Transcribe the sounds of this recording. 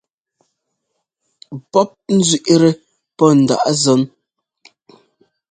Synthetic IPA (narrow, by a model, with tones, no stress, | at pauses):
pɔ˦p̚n̩˦zɥi˨ʔɾe˦ | pɔ˦˨n̩˨da̰˨ʔzɔ˨˦n